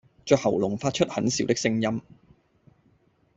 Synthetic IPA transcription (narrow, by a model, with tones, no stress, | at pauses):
t͡ʃœː˨˧khɐ˨˩wlʊ˨˩ŋfaː˧t̚t͡ʃʰɵ˥t̚hɐ˨˥nsiː˨˧˥wt̪ɪ˥ksɪ˧ŋjɐ˥m